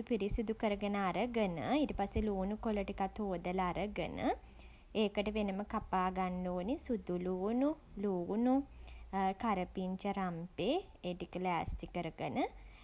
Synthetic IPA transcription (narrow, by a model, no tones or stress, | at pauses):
upiɾisud̪ukəɾəɡənəaɾəɡənə̰iʈəpaseluːnukoləʈikat̪oːd̪ələaɾəɡə̰nʔə̰ | eːkəʈəʋenəməkapaːɡanloːnisud̪uluːnu | luːnu | kaɾəpiɲt͡ʃəɾampeː | eʈikəlæːst̪ikəɾəɡənə